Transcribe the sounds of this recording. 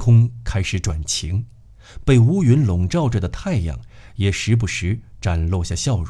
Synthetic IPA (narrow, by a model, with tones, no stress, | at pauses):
kʰʊ˥ŋkʰa˥ɪʂɻ̩˧˥ʈ͡ʂwa˨˩nt͡ɕʰi˧˥ŋ | pe˥˩ɪu˧˥ɥy˧˥nlʊ˨˧˩ŋʈ͡ʂɑ˥˧ʊʈ͡ʂɤ˥˩d̪ə˩t̪ʰa˥˧ɪjɑ̰˨˩ŋ | jɛ˨˩ʂɻ̩˧˥p̬u˧˥ʂɻ̩˧˥ʈ͡ʂa˨˩nlo˥˧ɕja˥˩ɕjɑ˥˧ʊɻ